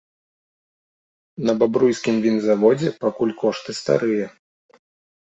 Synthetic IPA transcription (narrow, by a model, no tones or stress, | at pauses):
nɐbabɾujsʲkʲimvʲinzavɔd͡zʲɛpakulʲkɔʂt̪ɨst̪a̰ɾɨjɐ